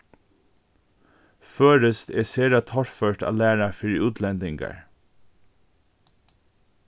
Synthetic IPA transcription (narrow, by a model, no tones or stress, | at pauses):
føːɾəst̪eːseːɾat̪ʰɔɹføːʈɑ̰ːlæːɹafɪɹʉːt̪ʰlɛnd̪ɪŋɡɑ̰ɹ